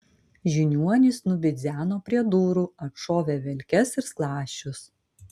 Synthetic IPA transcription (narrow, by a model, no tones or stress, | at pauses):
ʒʲɪnʲuɔnʲɪsnʊbʲɪd̪zʲæːnoːpʲɾʲiɛd̪uːɾuɐtʃoːʋʲeːʋʲɛlʲkʲɛsɪɾsklˠɑːʃʲt͡ʃʲʊs